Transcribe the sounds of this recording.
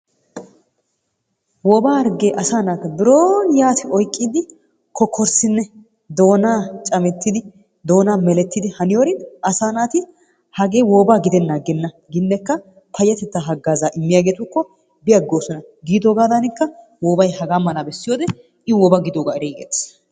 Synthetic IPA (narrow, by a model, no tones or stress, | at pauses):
wɔbaːɐɾɡeːʔɐsaːnaːt̪ɐbɪɾoːnjaːt̪ɪɔjkʼːiːd̪ɪ | kʰɔkʰːɔɾsɪnːɛ | d̪o̞ːnaːt͡ʃʼɐmɛt̪ːɪd̪ɪ | d̪o̞ːnaːmɛlɛt̪ːɪd̪ɪhɐnɪjoːɾɪnʔɐsaːnaːt̪ɪ | hɐɡe̞ːwoːbaːɡɪd̪ɛnːaɡɛnːɐ | ɡɪnːɛkːɐ | pʰɐjːɐt̪ɛt̪ːaɦɐɡːaːzaːʔɪmːɪjaːɡeːt̪ʊkːɔ | bɪjɐɡːoːsɔnɐ | ɡiːd̪oːɡaːd̪ɐnɪkːɐ | woːbɐjhɐɡaːmːɐnabɛsːɪjo̞ːd̪ɛ | ɪwɔbaɡɪd̪oːɡaːɪɾiːɡḛːt̪